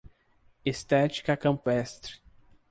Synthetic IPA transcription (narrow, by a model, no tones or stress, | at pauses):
est̪ɛt͡ʃi̥kɐkɐ̃mpɛst̪ɾɪ̥